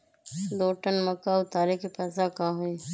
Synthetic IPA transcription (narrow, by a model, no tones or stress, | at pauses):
d̪oːʈənmɐkaʊt̪aːɾekipɐzakaːɦui